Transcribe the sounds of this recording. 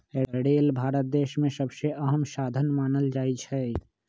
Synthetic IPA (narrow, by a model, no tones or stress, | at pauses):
ɽeːlbʱaːɾət̪̚d̪eːʃmẽsəbseʔɐɦəmsaːd̪ʱənmaːnəld͡ʒaːit͡ʃʰɛː